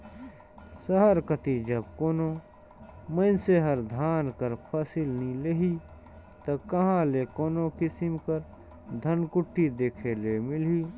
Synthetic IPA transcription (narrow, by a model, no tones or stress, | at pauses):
səɦəɾkət̪id͡ʒɐb̚koːno | mə̃seɦəɾd̪ʱaːnkəɾpʰɐsilnileɦiː | t̪ɐkɐɦãlekoːnokɪsɪmkəɾ | d̪ʱɐnkʊʈʰːid̪eːkʰelemɪliː